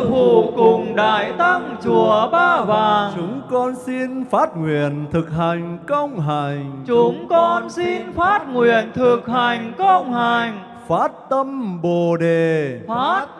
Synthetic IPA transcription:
fu˧˨˩kʊ˨˩ŋ͡mɗa̰ː˧˨jt̪a˧ŋt͡ɕu˧˩əɓaː˧vaː˨˩t͡ɕʊ˨˦ŋ͡mkɔ˧nsi˧nfaː˦˥t̚ŋwi˨ənt̪ʰɨ˨˩k̚ɦa˨˩jŋ̟kə˧wŋ͡mɦa˨˩ŋ̟t͡ɕʊ˨˦ŋ͡mkɔ˧nsi˧nfaː˦˥t̚ŋwi˨ənt̪ʰɨ˨˩k̚ha˨˩jŋ̟kə˧wŋ͡mha˨˩jŋ | faː˦˥t̚t̪ə˧mɓo˨˩ɗe˨˩faː˦˥t̚

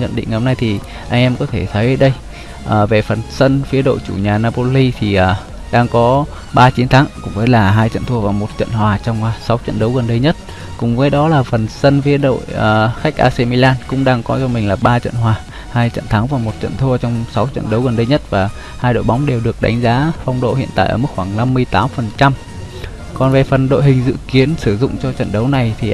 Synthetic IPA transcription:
ɲə̰˧˨nɗḭ̈˧˨ŋ˨hŋ͡mna˧jt̪ʰi˨˩ | ʔa˧jŋ̟ʔɛ˧mkɔ˨˦t̪ʰe˧˩t̪ʰə˨˦jʔəː˨˦jɗə˧j | ʔəː˨˩ve˨˩fə˨˩nsə˧nfi˨˦əɗo̰˧˨jt͡ɕu˧˩ɲaː˨˩naː˧po˧li˧t̪ʰi˨˩ʔəː˨˩ | ɗaː˧ŋkɔ˨˦ | ɓaː˧t͡ɕi˨˦nt̪ʰaː˨˦ŋkʊ̰˧˥ŋ͡mvəː˨˦jlaː˨˩ɦaː˧jt͡ɕə̰˧˨nt̪ʰo˧əvaː˨˩wmo˨˩t̚t͡ɕə̰˧˨nhwaː˨˩t͡ɕɔ˧wŋ͡mːsa˨˦wt͡ɕə̰˧˨nɗə˨˦wɣə˨˩nɗə˧jɲə˦˥t̚ | kʊ̰˨˩ŋ͡mvəː˨˦jɗɔ˨˦laː˨˩fə˨˩nsə˧nfi˨˦əɗo̰˧˨jəː˨˩xa˦˥jk̚ʔa̰ː˧se˧mi˧laː˧nkʊ̰˧˥ŋ͡mɗaː˧ŋkɔ˨˦t͡ɕɔ˧mï˨˩ŋ̟laː˨˩ɓaː˧t͡ɕə̰˧˨nɦwaː˨˩ | haː˧jt͡ɕə̰˧˨nt̪ʰa˨˦ŋvaː˨˩mo˨˩t̚t͡ɕə̰˧˨nt̪ʰu˧ət͡ɕɔ˧wŋ͡msa˨˦wt͡ɕə̰˧˨nɗə˨˦wɣə˨˩nɗə˧jɲə˦˥t̚vaː˨˩ | haː˧jɗo̰˧˨jɓa˨˦wŋ͡mɗe˨˩wɗɨ˨˩ək̚ɗa˨˦jŋ̟zaː˨˦fa˧wŋ͡mɗo̰˧˨hḭ˧˨ənt̪a̰ː˧˨jʔəː˧˩mɨ˦˥k̚xwaː˧˩ŋna˧mːɨ˧əjt̪aː˨˦mfə˨˩nt͡ɕa˧m | kɔ˨˩nve˨˩fə˨˩nɗo̰˧˨jɦhï˨˩ŋ̟zɨ̰˧˨ki˨˦ənsɨ˧˩zʊ̰˧˨ŋ͡mt͡ɕɔ˧t͡ɕə̰˧˨nɗə˨˦wna˨˩jt̪ʰi˨˩

